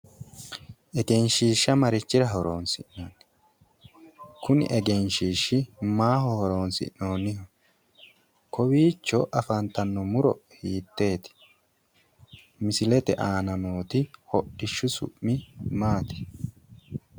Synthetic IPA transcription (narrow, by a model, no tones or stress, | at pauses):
ʔɛɡɛnʃiːʃːɐmɐɾɪt͡ʃːɪɾɐɦɔɾo̰ːnsɪ̰nnan | kʊnɪ̰ʔɛɡɛnʃiːʃːɪmaːɦɔhɔɾo̞ːnsɪ̰ʔnoːnːɪhɔ | kʰɔbiːt͡ʃːɔʔɐfɐnt̪ɐnːɔmʊɾɔ̰hiːt̪ːe̞ːt̪ɪ̥ | mɪsɪlɛt̪ɛʔaːnɐnoːt̪ɪhɔɗːɪʃːʊsʊ̰ʔːɪmaːt̪ɪ̥